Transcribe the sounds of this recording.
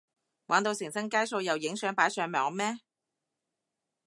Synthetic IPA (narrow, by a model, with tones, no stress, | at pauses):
waː˨˥nt̪o˧wsɪ˨˩ŋsɐ˥ŋkaː˥jso˧wjɐ˨˩wjɪ˨˥ŋsœː˨˥ŋpaː˨˥jsœː˧ŋmɔː˨˥ŋmɛː˥